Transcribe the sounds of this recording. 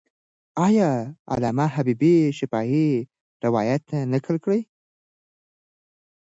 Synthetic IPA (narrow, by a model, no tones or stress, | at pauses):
ɑjɑa̰lamaɦabibiʃɪfɑɦi | ɾɪwɑjat̪anəkʰəlkɽəj